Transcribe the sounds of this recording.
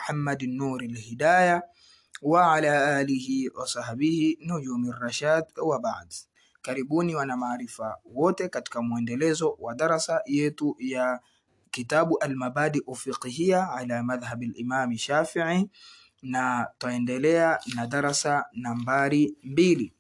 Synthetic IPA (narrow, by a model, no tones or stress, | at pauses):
ħamːad̪nːuːɾalhidaːja | waʕalaʔaːlihiwʔa̰sˤɑhabihinud͡ʒuːmirˤːɑʃaːd̪wabaʕd̪ | kaɾibuːniwanamaʕɾifawoːt̪ekat̪kamwendelezowad̪ɑɾˤɑsajet̪uja | kit̪aːbʔalmabaːd̪iʔwafiqɦijaʕalamaðhabalʔimaːmʃaːfiʕi | nat̪aendelejanad̪ɑɾˤɑsanambaːɾimbiːli